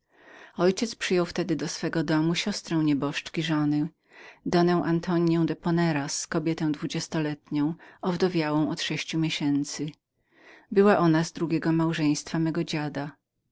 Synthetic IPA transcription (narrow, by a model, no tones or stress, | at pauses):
ɔjt͡ɕɛt̪spʂɘjɔwft̪ɛd̪ɘd̪ɔsfɛɡɔd̪ɔmuɕɔst̪ɾɔ̃w̃ɲɛbɔʂt͡ʂkʲiʐɔnɘ | d̪ɔnɛ̃w̃ʔant̪ʰɔɲjɔ̃w̃d̪ɛpɔnɛɾaskɔbʲjɛt̪ɛ̃w̃d̪vud͡ʑɛst̪ɔlɛt̪ɲɔ̃w̃ɔvd̪ɔvʲjawɔ̃w̃ɔt̪ʂɛɕt͡ɕumʲjeɕɛnt̪sɘ | bɘwaʔɔnazd̪ɾuɡʲɛɡɔmawʐɛ̃j̃st̪famɛɡɔd͡ʑad̪a